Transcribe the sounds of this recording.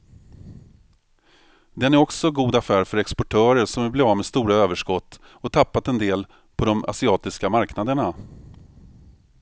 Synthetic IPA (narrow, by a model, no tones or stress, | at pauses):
d̪ɛnæɾɔksɔɡuːd̪afæːɾfœɾɛkspɔʈʰœːɾəʂɔmvɪblvɑːmɛst̪uːɾaøːvəʂkɔt̪ː | ɔt̪ʰapːat̪ɛnd̪eːl | pʰɔd̪ɔma̰sɪɑːt̪ɪskamaɾknad̪əɳa